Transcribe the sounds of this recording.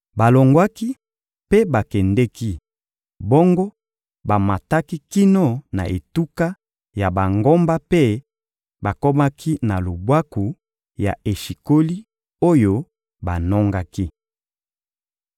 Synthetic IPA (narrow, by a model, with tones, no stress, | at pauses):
ba˨lo˨ŋɡwa˦ki˦ | pe˦ba˨kɛ˨ndɛ˦ki˦ | bo˦ŋɡo˦ | ba˨ma˨ta˦ki˦ki˦no˦na̰˨ʔe˨tu˦ka˦ | ja˨ba˨ŋɡo˦mba˦pe˦ | ba˨ko˦ma˦kʰi˦na˨lo˨bwa˦ku˨ | ja̰˨e˨ʃi˨ko˦li˦ | o˦jo˦ | ba˨nɔ˦ŋɡa˦ki˦